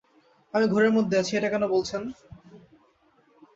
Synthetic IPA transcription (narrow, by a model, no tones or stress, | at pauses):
amiɡʱɔɾeɾmod̪ʱːeat͡ɕʰieʈakɛnobolt͡ɕʰen